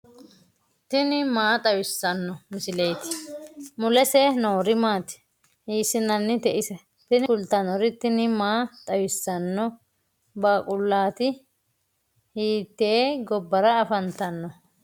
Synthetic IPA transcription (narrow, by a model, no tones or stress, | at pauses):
t̪ɪnɪmaːt̪ʼɐwɪsːɐnːɔmɪsɪlejt̪ɪ̥mʊlɛsɛnoːɾɪmaːt̪ɪ̥ | hiːsɪnɐnːɪt̪ɛʔɪsɛ | t̪ɪnɪʊlt̪ɐnɔɾɪt̪ːɪnɪmaːt̪ʼɐwɪsːɐnːɔ | baːkʼʊlːaːt̪ɪ | hiːt̪ːeːɡɔbːɐɾɐːfɐnt̪ɐnːɔ